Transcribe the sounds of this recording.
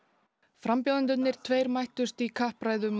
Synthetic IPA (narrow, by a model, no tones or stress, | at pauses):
fɾampjowðant̪ʏt̪nɪɾ̥t̪ʰvejɾmajht̪ʏst̪ikʰahpɾaːjðʏm